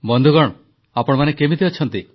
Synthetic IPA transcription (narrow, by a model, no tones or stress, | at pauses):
bɔnd̪ʱuɡɔɽ̃ | apɔɽ̃manekemid̪iɔt͡ʃʰɔnt̪i